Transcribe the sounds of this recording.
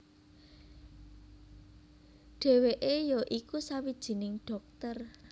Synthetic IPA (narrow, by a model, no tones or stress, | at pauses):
ɖ̥e̤weʔejoʔikusawid̥ʒ̥i̤nɪŋɖ̥ɔ̤k̚t̪ər